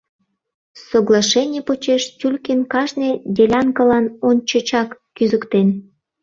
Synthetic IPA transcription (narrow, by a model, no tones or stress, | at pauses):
soɣlˠɑʃenʲĕpot͡ɕeʃtʲulʲkinkɑʒned̪ʲelʲɑŋkəlɑnonʲt͡ɕə̆t͡ɕɑkːyzəkt̪en